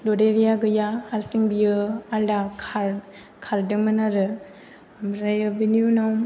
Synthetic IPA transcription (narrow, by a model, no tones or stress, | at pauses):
dodeɾijaɡɯjaaɾsiŋbijɯaldakʰaɾ | kʰaɾdɯŋmɯnaɾɯ | mɾajɯbinjunaw